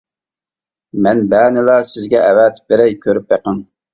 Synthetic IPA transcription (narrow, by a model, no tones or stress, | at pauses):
mɛnbænɪlˠɑsɪzɡʲɛʔɛwɛt̪b̥eɾɛjkʲʰøɾypjeqəŋ